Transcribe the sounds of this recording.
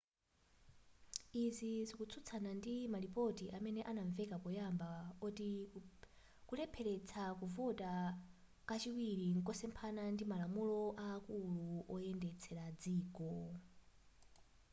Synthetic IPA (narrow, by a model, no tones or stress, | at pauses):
izizikut͡sʰut͡sʰanandimalipɔtiʔamɛnɛʔanaɱvɛkapɔjambaɔti | kulɛpʰɛlɛt͡sʰakuvɔtʼa | kat͡ʃiwiɾiŋ̩kɔsɛmpʰanandimalamulɔʔaːkuluʔɔɛndɛt͡sʰɛɾad͡ziːkɔ